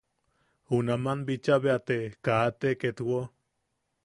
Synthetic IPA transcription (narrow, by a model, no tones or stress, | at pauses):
hunamanbit͡ʃaβeat̪ekaːt̪eket̪wo